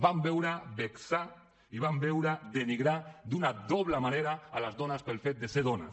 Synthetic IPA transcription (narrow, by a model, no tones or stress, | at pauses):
bambɛwɾabeksa | iβambɛwɾad̪eniɣɾad̪unad̪ɔβlamaneɾaːlazðɔnaspelfet̪̚d̪eseðɔna